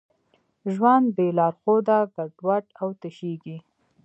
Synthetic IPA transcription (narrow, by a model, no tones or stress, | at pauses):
ʒwand̪̚belɑɾxod̪aɡaɖwaʈawt̪əʃeɡi